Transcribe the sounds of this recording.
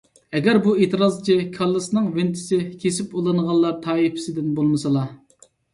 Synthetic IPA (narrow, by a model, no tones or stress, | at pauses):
ɛɡʲɛɾbuet̪ʰɨɾɑzt͡ʃʰikʰɑlˠːɨsnɨŋvɪnt̪ʰɪ̥sɪkʲʰesɪpulˠɨnəʁɑlˠːɑɾt̪ʰɑːipɪ̥sɪd̪ɪnbolˠmɨsɑlˠɑ